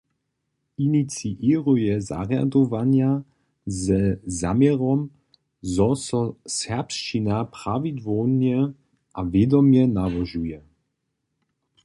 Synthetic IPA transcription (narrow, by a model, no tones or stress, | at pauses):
init͡siʔiʁujɛza̰ʁja̰d̪ɔvanja | zɛzamjɛʁɔm | zɔsɔsɛpʃt͡ʃinapʁavid̪vɔnjɛ | ʔavjɛd̪ɔmjɛnavɔʒujɛ